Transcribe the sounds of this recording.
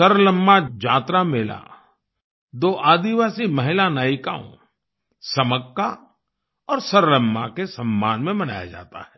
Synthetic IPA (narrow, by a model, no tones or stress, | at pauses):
sɐɾləmːad͡ʒaːt̪ɾameːla̰ | d̪oːʔaːd̪iʋaːsimɐɦɪlanaːjɪka̰ːõ̰ | sɐməkːa | ɔːɾsɐɾləmːakesɐmːaːnmẽbɐna̰ːja̰d͡ʒa̰ːt̪a̰ɦɛː